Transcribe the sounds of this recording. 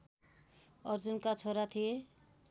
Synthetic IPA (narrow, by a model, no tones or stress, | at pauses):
ʌɾd͡zunkat͡sʰoɾat̪ʰije